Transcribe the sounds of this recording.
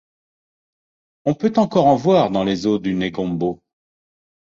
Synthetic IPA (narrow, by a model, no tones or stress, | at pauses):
ɔ̃pøt̪ɑ̃kɔʁɑ̃vwaʁd̪ɑ̃lezod̪yneɡɔ̃mbo